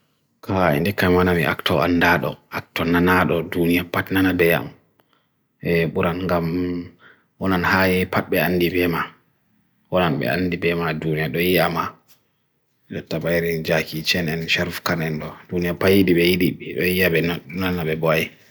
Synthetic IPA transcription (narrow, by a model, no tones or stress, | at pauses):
kʰaɛ̰ndikːamwanamḭʔa̰ktɔa̰ndaɗɔ̰ʔak̚tɔnanaɗɔdunijapatnanabɛja̰m | ɛɓuɾʔanŋɡam | wɔnanhajɛpat̚ɓɛanːdibɛma | wɔnanɓɛ̰a̰nːdibɛmadunijaɗɔjijama | d͡ʒɔtːabajɾind͡ʒakit͡ʃɛnɛnʃaɾfkanɛnɗɔdunijapajiɗiɓɛjiɗiɗɔjiabɛnaɗunanaɓɛbɔaji